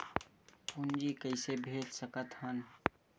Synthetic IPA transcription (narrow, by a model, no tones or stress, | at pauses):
ʊnd͡ʒikəɪsebʱeːlsəkət̪hən